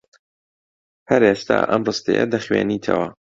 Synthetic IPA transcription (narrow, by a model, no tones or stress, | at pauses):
hɐɾeːst̪ʰa̰ːʔɐmrɨst̪ejɐ̰d̪ɐχweːniːt̪ʰɐwɐ